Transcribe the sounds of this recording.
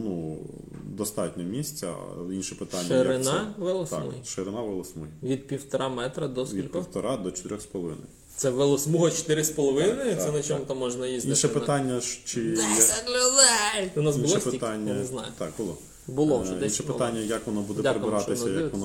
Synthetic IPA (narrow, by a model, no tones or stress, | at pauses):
nu | d̪ɔst̪ɑtʲnʲɔmʲisʲt͡sʲɐ̰inʃɛpɪt̪anʲːeɾɪnɑʋelˠɔsmṵjʃeɾɪnɑʋɪlˠɔsmujʋʲid̪̚pʲiwt̪ɔɾɑmɛt̪ɾɐd̪ɔskʋʲilʲkkiɔwt̪ɔɾʔɑd̪ɔt͡ʃɔ̥t̪ɪɾʲɔxspɔlˠɔʋɪ̰nɐ̰j | t̪sɛʋɪlˠɔsmuɦɔt͡ʃɔ̥t̪ɪɾɪspɔlˠɔʋɪnɪt̪ɛnɐt͡ʃɔmʊt̪ɐmːɔʒnɐjizʲd̪inɪʃɛpɪt̪ɑnʲːɐʃt͡ʃɪjklʲʊd̪ɛjʊnɑsinbʊlʃɔspɪit̪anʲːɐnɛznɑjʊt̪ɑ̰kbʊlˠɔ | bʊlˠɔʒɛinsʃɛpɪt̪anʲːɐjɐkʋɔnɔbud̪ɛp̪ʲaɾebɪɾɑt̪ɪsɐjɐkɔnɔ